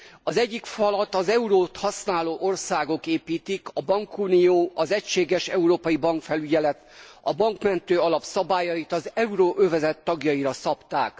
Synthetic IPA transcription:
ɒzɛɟːikfɒlɒt̪ɒzɛuɾoːt̪hɒsnaːloːʔo̞rsaːɡo̞keːpiːt̪ikɒbɒŋkunijoːʔɒzɛcʃeːɡɛʃɛuɾoːpɒjibɒŋkfɛlyɟɛlɛt̪ɒbɒŋkmɛnt̪øːɒlɒpsɒbaːjɒjit̪ɒzɛuɾoːʔøvɛzɛt̪ːɒɡjɒiɾɒsɒpt̪aːk

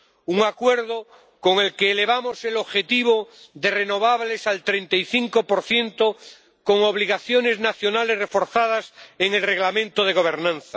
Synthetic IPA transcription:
uŋakweɾðo | ko̞ŋe̞lkeːle̞β̞amose̞lo̞βxe̞t̪iβ̞oðere̞no̞βaβle̞salt̪ɾent̪ajθiŋko̞po̞ɾθje̞nt̪o | ko̞ŋoβ̞liɣaθjo̞ne̞znaθjo̞nale̞zre̞fo̞ɾθað̞aseŋe̞lre̞ɣlamẽnt̪oð̞eɣ̞o̞β̞e̞ɾnãnθa

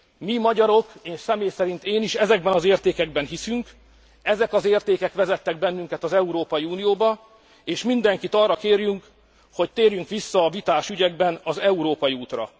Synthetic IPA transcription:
mimɒɟɒɾo̞keːʃsɛmeːjsɛɾint̪eːniʃɛzɛɡ̚bɛnɒzeːrt̪eːkɛɡ̚bɛnɦisyŋk | ɛzɛkɒzeːrt̪eːkɛkʋɛzɛt̪ːɛɡ̚bɛnːyŋkɛt̪ɒzɛuɾoːpɒjiuːnijoːbɒ | eːʃmind̪ɛŋkit̪ɒrːɒkeːrjyŋk | ho̞c̚t̪eːrjyŋkʋisːɒːvit̪aːʃyɟɛɡ̚bɛnɒzɛuɾoːpɒjiuːt̪rɒ̰

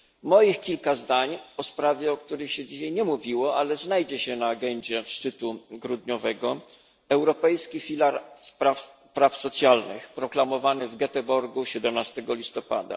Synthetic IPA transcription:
mɔjixkʲilkazd̪aɲɔspɾavʲjɛɔk̚t̪uɾɘxɕɛd͡ʑiɕajɲɛmuvʲiwɔalɛznajd͡ʑɛɕɛnaːɡɛɲd͡ʑɛfʂt͡ʂɘt̪uɡɾud̪ɲɔvɛɡɔ | ɛwɾɔpɛjskʲifʲilaɾspɾaf | pɾafsɔt̪sʲjalnɘ̰xpɾɔklamɔvanɘvɡɛt̪ɛbɔɾɡuɕɛd̪ɛmnast̪ɛɡɔlʲist̪ɔpa̰d̪a̰

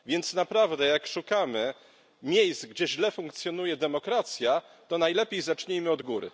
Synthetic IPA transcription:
vʲjɛnt̪snapɾavd̪ɛjakʂukamɘ | mʲjejst̪ɡd͡ʑɛʑlɛfũŋk̚t̪sʲjɔnujɛd̪ɛmɔkɾat̪sʲja | t̪ɔnajlɛpʲejzat͡ʂɲejmɘɔd̪ɡuɾɘ̰

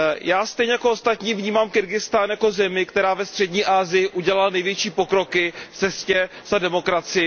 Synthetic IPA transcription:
jaːst̪ɛjɲɛjako̞ost̪at̪ɲiːvɲiːmaːmkɪɾɡɪst̪anjako̞zɛmɪkt̪ɛɾaːvɛst̪r̥ɛdɲiːʔaːzɪjɪʔuɟɛlalnɛjvjɛt͡ʃiːpo̞kɾo̞kɪft͡sɛscɛ | z̥adɛmo̞kɾat͡sɪjɪ

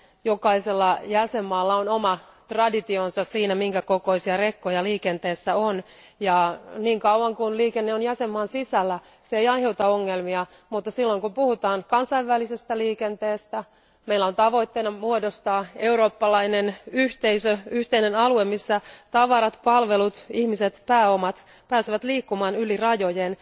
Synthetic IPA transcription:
jokɑiselːɑjæsemːɑːlːɑonomɑ | t̪rɑdit̪ionsɑssiːnæmiŋkækoko̞isiɑrekːojɑliːkent̪eːsːæon | jɑniːŋkɑuɑŋkunliːkenːeonjæsemːɑːnsisælːæ | seeijɑjheut̪ɑoŋːelmiɑ | mut̪ːɑsilːoiŋkumpuhut̪ɑːnkɑnsɑiʋʋælisest̪æliːkent̪eːst̪æ | meilːæont̪ɑʋo̞it̪ːeinɑmuodost̪ɑːeuro̞ːpːɑlɑinenyht̪eisøyht̪einenɑluemisːæt̪ɑʋɑɾɑt̪pɑlʋelut̪ihmiset̪pæːomɑt̪ | pæːseʋæt̪liːkːumɑːnylirɑjo̞jen

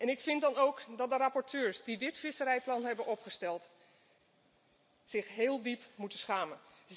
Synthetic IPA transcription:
ʔɛnɪkfɪntdɑnowkdɑt̚dərapɔɹtʰøːɹsdidɪtfɪsəɾɛjplɑnɦɛbənʔɔpχəstɛlˠt | sɪχɦeːlˠdipmutəsχaːmən

